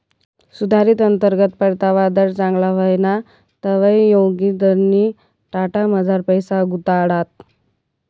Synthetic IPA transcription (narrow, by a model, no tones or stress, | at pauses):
sud̪ʱaɾiːt̪ənt̪əɾɡət̪pəɾt̪aʋad̪əɾt͡sãŋɡlaʋəjna | t̪əʋəjjoɡid̪əɾni | ʈaʈaməd͡zʱaɾpəjsaɡut̪aɽat̪̚